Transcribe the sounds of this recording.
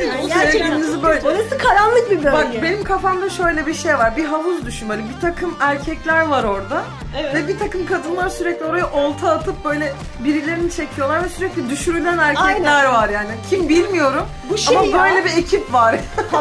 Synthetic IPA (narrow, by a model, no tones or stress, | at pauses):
buseɾeiinizibøjʲonasɯkʰaɾanˠɯk̚bibøbakbe̞nimkʰafamd̪aʃø̞jlʲɛbiʃe̞jvaɾbiɦaɦuzd̪yʃynbelibit̪ʰakʰɯmæɾcʰɛclʲæɾvaɾo̞ɾd̪a | vɛbit̪ʰakɯmkʰad̪ɯnlˠaɾsyɾɛclʲio̞ɾajaʔo̞lˠt̪ʰaːt̪ʰɯp̚bø̞jlʲɛ | biɾilʲe̞ɾinit͡ʃʰecʰijo̞lˠaɾvɛsyɾɛclʲid̪yʃyɾylʲænæɾcʰɛcllʲæɾvaɾjaːnicʰimbilʲmijo̞ɾum | buʃaamabøjlʲɛbiecʰipvaɾ̥